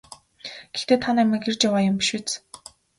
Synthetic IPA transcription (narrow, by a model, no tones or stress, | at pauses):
ɡ̥ext̪eːt̪ʰanæmʲɘ̆ːkert͡ɕjawaːjʊmpi̥ʃut͡s